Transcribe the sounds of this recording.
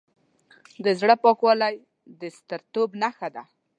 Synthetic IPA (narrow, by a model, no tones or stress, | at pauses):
d̪əzɽəpɑkwɑlaj | d̪əst̪əɾt̪obnaxad̪a